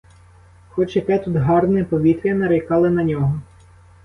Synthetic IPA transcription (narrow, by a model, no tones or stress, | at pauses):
xɔt͡ʃjɐkɛt̪ud̪ɦɑrnɪpɔʋʲit̪ɾʲɐnɐɾɪjkɑlˠɪnɐnʲɔɦɔ